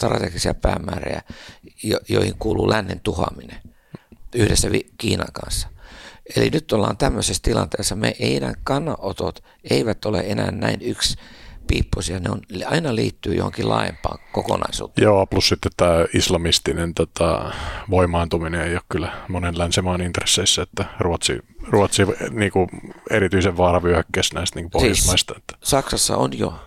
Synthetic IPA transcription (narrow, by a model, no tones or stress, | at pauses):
t̪rɑt̪ekisiɑpæːmːæːrejæjojo̰ihiŋkuːluːlʔænːent̪uhɑmine | yhdesːæʋikiːnɑŋkɑnsːɑ̥elinyt̪ːolːɑːnt̪æmːøsest̪ilɑnt̪eːsːɑmeʔeinæːkɑnːɑʔot̪ot̪ | eiʋæt̪oleenæːnnæinykspiːpːosjɑneonɑinɑliːt̪ːyːjo̰ho̰ŋkilʔɑ̰ːjempɑːŋkokonɑisṵːt̪ejeoːɑplussit̪ːet̪t̪æːislɑmist̪inent̪ot̪ɑ̰ʋoimˑɑːnt̪umineeijoːkkylːæmonenlænsemɑːnint̪resːeisːæet̪ːæruɑt̪sḭruɑt̪siʋniːŋkuerit̪yiseʋʋɑːrɑʋyøkːæsnæist̪niːŋkuposiːismɑist̪ɑet̪ːæ̥sɑksɑsːɑonjo